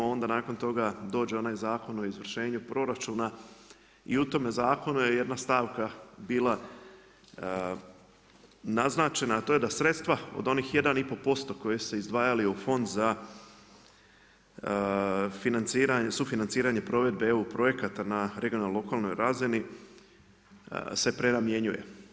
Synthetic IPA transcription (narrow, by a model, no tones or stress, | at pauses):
o̞nd̪anaːko̞nt̪o̞ɡad̪o̞ːd͡ʒe̞o̞naːjzaːko̞no̞izʋr̩ʃe̞ːɲupɾo̞ɾat͡ʃuːna | ḭut̪o̞mezaːko̞nuje̞je̞d̪nast̪aːʋkabiːlˠa | naznaːt͡ʃe̞naːt̪o̞ːje̞d̪asɾe̞t̪st̪ʋao̰d̪o̞niːxje̞d̪anipo̞po̞st̪o̞ko̞jese̞izd̪ʋaːjaliufo̞nd̪za | finant̪siːɾaɲesufinant̪siːɾaɲe̞pɾo̞ʋe̞d̪̚beeupɾo̞je̞kat̪anaɾeɡionallo̞kaːlˠno̞jɾazini | se̞pɾe̞namje̞ɲuje̞̰